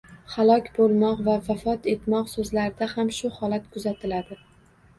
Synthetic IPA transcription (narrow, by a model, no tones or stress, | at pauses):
halˠɒkʲbolˠmɒqvavafɒt̪ʰe̞t̪mɒqsɵzlaɾɪd̪ahamʃʊhɒlat̪kʰʊzat̪ʰɪlad̪ɪ